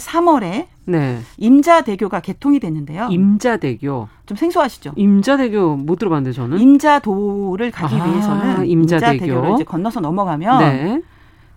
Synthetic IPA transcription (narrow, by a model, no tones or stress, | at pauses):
sʰamʌɾe̞ | ne̞imd͡ʑade̞ɡjoɡake̞tʰoŋidwenɯnde̞joimd͡ʑade̞ɡjot͡ɕomsʰe̞ŋsʰoɦaɕʰi̥d͡ʑoimd͡ʑade̞ɡjomod͈ɯɾobanɯndet͡ɕʌnɯnimd͡ʑadoɾɯɭkaɡiɥiɦe̞sʰʌnɯnimd͡ʑadd͡ʑaeɡeɡjoɾid͡ʑekʌnːʌsʰʌnʌmʌɡamjʌne